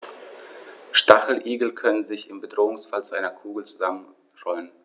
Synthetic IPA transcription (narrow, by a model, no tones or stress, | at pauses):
ʃtaχl̩ʔiːɡl̩kʰœnənzɪçɪmbədʁoːʊŋsfalt͡suʔaɪnɐkʰuːɡl̩t͡suzamən | ʁɔlən